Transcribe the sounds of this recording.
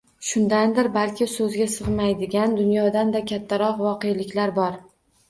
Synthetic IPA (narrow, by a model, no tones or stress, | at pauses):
ʃʊnd̪and̪ɪɾbalkʲɪsɵzɡʲasɨʁmajd̪ɪɡʲand̪ʊnjɒd̪and̪akʲʰat̪ʰːaɾɒqvɒqejlɪkʲlaɾbɒɾ